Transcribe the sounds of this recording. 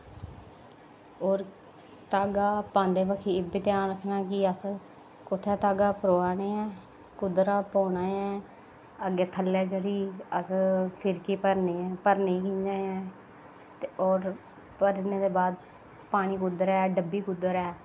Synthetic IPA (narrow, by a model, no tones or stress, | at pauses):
oːɾ | t̪aːɡaːpãːnd̪eːbəkʰiːɪbeːt̪ɪjaːnɾəkʰnaːkɪəs | kʊt̪ʰːɛːt̪aːɡaːpəɾoːaːneːɛː | kʊd̪ɾaːpoːnaːɛː | əɡeːt̪ʰəlːɛːd͡ʒəɾiːəspʰɪɾkipəɾneːɛːpəɾniːkiːnd͡ʒaːɛ̃ː | oːɾ | pəɾneːd̪eːbaːd̪ | paːɽ̃iːkʊd̪əɾɛːɖəbːiːkʊd̪ːəɾɛː